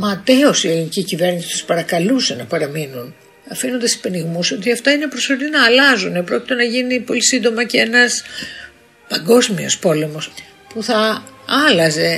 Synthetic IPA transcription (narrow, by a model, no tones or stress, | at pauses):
mɐt̪eosielinicicive̞ɾnisi̥su̥spɐɾɐkɐluse̞nɐpɐɾɐminun | ɐfino̞nd̪esi̥peniɣmuso̞t̪iɐft̪ɐine̞pɾo̞sfoɾninɐːlɐzunepɾo̞ci̥t̪e̞nɐʝinipo̞lisind̪o̞mɐcee̞nɐs | pɐŋɡo̞zmio̞̰spo̞le̞mo̞s | puθɐɐlɐze̞